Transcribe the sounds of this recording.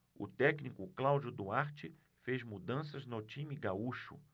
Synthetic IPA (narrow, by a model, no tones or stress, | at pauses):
ʊ̰t̪ɛknikʊklawd͡ʒʊd̪ʊaɾt͡ʃɪ | fezmud̪ɐ̃sɐznat͡ʃĩmiɡauʃʊ̰